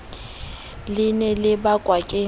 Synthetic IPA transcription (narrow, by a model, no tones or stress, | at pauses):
lɪnɛlɪbakʼwakʼe